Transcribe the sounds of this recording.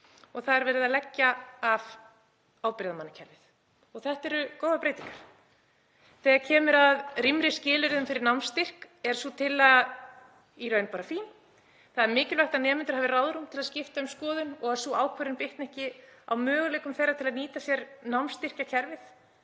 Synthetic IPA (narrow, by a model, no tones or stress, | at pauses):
ɔɣθaðɛɾvɛːɾɪðalɛcːaav | aːwpɾɪːðamanːacʰɛɾvɪθ | ɔɣθɛht̪ɛɾʏkoːwðapɾeːjt̪iŋkḁɾ̥ | θɛːɣacʰɛːmʏɾaðrimɾɪscɪːlɪɾðʏmfɪɾɪɾnawmst̪ɪr̥k | ɛɾ̥suːt̪ʰɪlað | iɾœɥnpaːɾafiːn | θaðɛɾmɪːcɪlvɛht̪anɛːmɪnt̪ʏɾ̥haːvɪrawðɾumt̪ʰɪlaðscɪft̪aʏmskɔːðʏnɔɣaɾ̥suːaːwkʰvœɾɪnpɪht̪nɛhcɪa̰wmœːɣʏleːjkʏmθejɾːat̪ʰɪlaðniːt̪asjɛɾnawmst̪ɪr̥cacʰɛɾvɪθ